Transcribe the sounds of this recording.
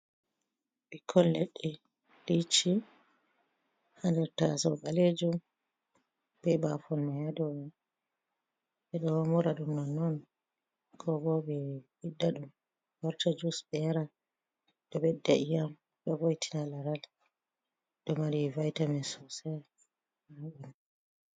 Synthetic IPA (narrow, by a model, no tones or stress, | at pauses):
bikʰːɔllɛɗːɛ | lit͡ʃːi | handɛɾtasɔbaled͡ʒum | bɛbafɔlmajadɔ | ɓɛɗɔhmuɾaɗumnɔnɔn | kʰɔbɔɓɛ | idːaɗum | waɾtad͡ʒusbɛaɾa | ɗɔbɛdːaʔijam | ɓɛvojtʰi̥nalaɾal | dɔmaɾivajtamɛnsɔsɛ | maɓun